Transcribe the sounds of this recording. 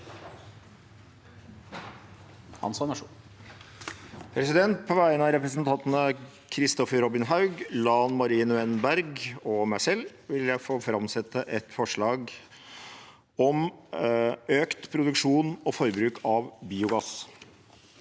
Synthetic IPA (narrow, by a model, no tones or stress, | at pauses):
ɑ̰nsɑnɑʂ | pʰɾɛsɪd̪ɛnt̪̚pʰɔʋæɪənɑɾɛpɾəs̬ənt̪ɑnt̪nə | kʰɾɪst̪ɔfəɾɔbɪnɦɑʉɡlɑnmɑɾiːnʉɛnbæɾɡɔmæɪsɛlː | ʋɪljæɪfoːfɾɑmsɛt̪ːəʔɛt̪fɔʂɭɑːɡ | ɔm | øːkt̪pʰɾʊd̪ʉkʂuːnɔfɔɾbɾʉːkʰɑʋbiːʊɡɑs